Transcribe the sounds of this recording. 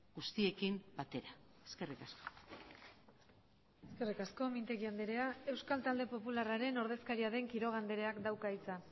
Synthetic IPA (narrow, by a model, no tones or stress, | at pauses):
ɡust̪ie̞kimbat̪e̞ɾa | eske̞rikasko̥ | eske̞rikasko̞mint̪e̞ɣiand̪e̞ɾe̞ae̞wskalt̪ald̪e̞po̞pularaɾe̞no̞ɾð̞e̞skaɾiaðe̞ŋkiɾo̞ɣ̞and̪e̞ɾe̞akd̪awkait͡sa